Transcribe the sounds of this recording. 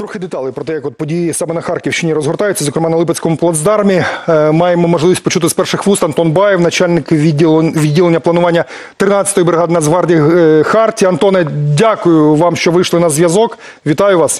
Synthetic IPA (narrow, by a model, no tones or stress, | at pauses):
t̪ɾɔxɪd̪et̪ɑlˠipɾɔt̪ɛjɐkɔt̪̚pɔdʲijisɑmɛnɐxɑrkʲiwʃt͡ʃɪnʲiɾɔzɦɔrt̪ɑjʊt͡sʲːɐzɔkɾemɑnɐlˠɪpet͡sʲsʲkɔmʊplˠɐd̪zd̪ɑrmʲimɑjemɔmɔʒlˠɪʋʲisʲt̚ʲpɔt͡ʃut̪ɪspɛrʃɪxʋust̪ɐnt̪ɔnbɑjewnɐt͡ʃalʲnɪkʲʋʲidʲːilˠenʲːɐplˠɐnʊʋɑnʲːɐ | t̪ɾɪnɑt͡sʲsʲɐ̥t̪ɔjibɾɪɦɑd̪ɪnɐzʋɑrdʲixɑrtʲiɐnt̪ɔnɛdʲakʊjʊʋɑmʃt͡ʃɔʋɪjʃlˠɪnɐzʋjɐzɔk | ʋʲit̪ɑjʊʋɑs